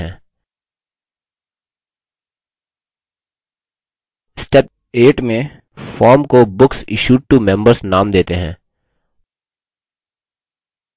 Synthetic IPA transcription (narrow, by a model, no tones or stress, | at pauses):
ɛ̃ː | sʈɛp̚ | eːʈmẽ | fɔːɾmkobʊksɪʃuːɖ̚ʈumɛ̃mbəɾsnaːmd̪eːt̪eɦɛ̃ː